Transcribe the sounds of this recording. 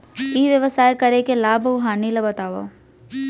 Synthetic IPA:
iːʋjəʋəsaːjkɐɾekelaːbɦaːnilabɐt̪aːʋo̰

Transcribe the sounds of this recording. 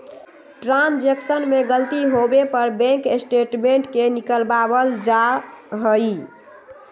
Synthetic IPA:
ʈɾãnd͡ʒeksənmeɡəlt̪iɦobepəɾbɛ̃ŋkesʈeʈmeɳʈkenikəlbabəld͡ʒaɦəj

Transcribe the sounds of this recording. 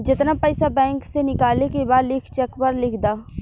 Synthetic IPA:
d͡ʒɪt̪napəɪsabɛ̃ːŋksenɪkaːlekebaːd̪lɪkʰt͡ʃɛkpəɾlɪkʰd̪aː

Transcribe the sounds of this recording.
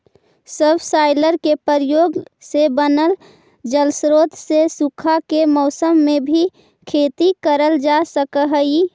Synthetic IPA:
səbʱsaːɪləɾkepəɾjoːɡsebənəl | d͡ʒəlsɾoːt̪sesukʰakemɔʊsəmːẽbʱi | kʰeːt̪ikəɾəld͡ʒasəkəɦəi

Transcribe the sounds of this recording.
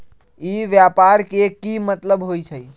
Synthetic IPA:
iʋjapaɾkekimət̪ləbɦojt͡ʃʰəj

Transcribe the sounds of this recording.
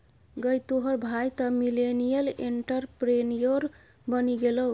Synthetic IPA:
ɡəjt̪oɦəɾbʱajt̪əmilenijəleɳʈəɾpɾenijoɾ | bəniɡelow

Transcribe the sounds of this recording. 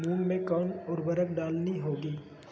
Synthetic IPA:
mũːnmẽkɔːnɔːɾbəɾək̚ɖaːlniɦoːɡiː

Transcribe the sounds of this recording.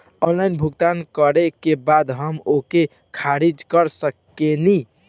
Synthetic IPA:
onlainbʱuɡt̪ankəɾekebad̪ɦəmoke | kʰaɾid͡ʒkəɾsəkːeni

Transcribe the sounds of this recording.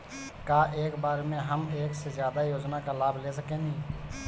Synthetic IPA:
kaːʔeːkbaːɾeːmẽːɦəmeːkseːzjaːd̪aːjoːd͡ʒnaːkaːlaːbleːs̬əkẽːnĩː

